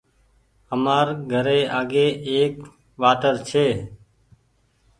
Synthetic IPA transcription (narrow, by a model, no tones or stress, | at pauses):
əmaːɾɡʱəɾeːʔaːɡeːeːk | ʋaːt̪əɾt͡ʃʰeː